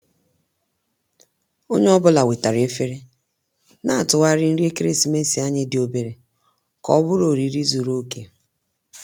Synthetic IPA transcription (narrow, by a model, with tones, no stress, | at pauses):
o˦ɲe˦ɔ˦bʊ˦la˨we˨ta˨ɾe˦fe˦ɾe˦ | na˦a˨tʊ˨wa˦ɾɪ˦n̩˦ɾi˦e˦ke˦ɾe˦si˨me˦si˨a˦ɲɪ˦dɪ˨o˨be˨ɾe˨ | kɔ̰˦bʊ˦ɾo˨ɾi˨ɾi˦zu˨ɾo˦ke˨